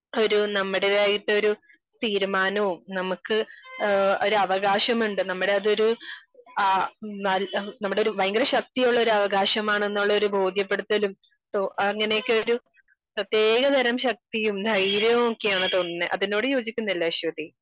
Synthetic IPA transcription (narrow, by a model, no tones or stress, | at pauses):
o̞ɾunɐmːuɽeðaːjiʈːɨo̞ɾu | t̪iːɾumaːnɐʋumnɐmukːɨ | oɾuɐʋɐɣaːɕɐmuɳɖɨnɐmːuɽe̞ɐðɨo̞ɾu | nɐlnɐmːuɽeo̞ɾuʋɐjɐŋɡɐɾɐɕɐk̚t̪ijoɭːo̞ɾuɐʋɐɡaːɕɐmaːɳenːuɭːɐo̞ɾubʱo̞ːd̪ʱjɐpːe̞ɽut̪ːɐlum | t̪oɐŋːɐnejkːɨoɾu | prɐt̪je̞ːɡɐd̪ʱɐɾɐmɕɐk̚t̪ijumd̪ʱɐjɾɐokːejaːɳɨt̪o̞nːɨʔɐðino̞ːɽɨjo̞ːd͡ʑikʲːunːɐilːɐɐɕʋɐd̪i